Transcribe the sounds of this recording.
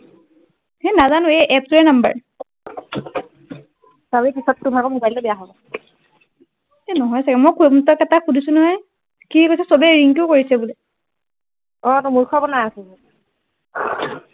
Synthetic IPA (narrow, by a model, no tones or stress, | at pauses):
henazanʊeʔɛp̚suɛnambə̰ɹ | sabɹikisɔttːubʱakɔmobajllobɛjaɦɔbɔ | enɔɦɔjsakɛmɔjkʰumtɔkɛtakʰudʱisunɔɦɔj | kikojsɛsobɛɹiŋkuʊkoɹisɛbulɛ | ɔnɔmuɹkʰɔbɔnaasɛ